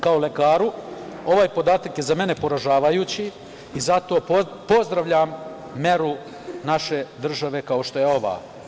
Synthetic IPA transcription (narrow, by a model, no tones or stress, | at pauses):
kaole̞kaːɾuo̞ʋaːjpo̞d̪aːt̪akje̞zame̞ne̞po̞ɾaʒaːʋajuːt͡ɕi | izat̪o̞ː | po̞zd̪ɾaʋʎamː | e̞ɾu | naʃe̞d̪r̩ʒaʋe̞kao̞ʃt̪o̞je̞o̞ʋa̰ː